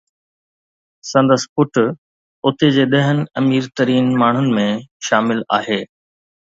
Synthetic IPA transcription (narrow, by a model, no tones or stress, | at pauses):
sɐ̃nd̪əspʊʈ | ʊt̪ed͡ʑeːɗ̪ɐɦənɪ̆ɐmiːɾt̪əɾiːnmaːɳ̤ʊnɪ̆mẽʃaːmɪla̰ːɦeː